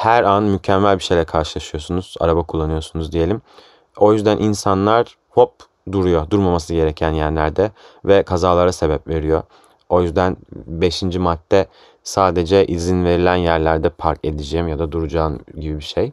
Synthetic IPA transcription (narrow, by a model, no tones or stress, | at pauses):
hæɾanmycʰɛmːælʲbiʃe̞jlʲɛkʰaɾʃɯlˠaʃɯjo̞sunuz̥a̰ɾabakʰulˠːanɯjo̞sunuzd̪ije̞lʲim | o̞jyzd̪ænʔinsanlˠaɾ̥ | ho̞p̚ | d̪uɾujo̞d̪uɾmamas̬ɯɟe̞ɾecʰænjæɾlʲæɾd̪ɛvɛkʰazaːlˠaɾase̞bɛpve̞ɾijo | o̞jyzd̪ænbe̞ʃind͡ʒimat̪ʰːɛ | saːd̪e̞d͡ʒɛʔizinve̞ɾilʲænjæɾlʲæɾd̪ɛpʰaɾce̞d̪id͡ʒejimjad̪ad̪uɾud͡ʒaːmɟibibiʃej